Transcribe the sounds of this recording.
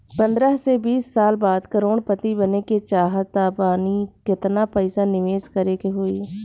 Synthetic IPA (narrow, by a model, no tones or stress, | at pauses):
pə̃nd̪ɾəɦsebiːsːaːlbaːd̪kəɾoːɽpət̪ibəneket͡ʃaːɦt̪aːbaːnikɪt̪napəɪsanɪʋeːskəɾekeɦoːiː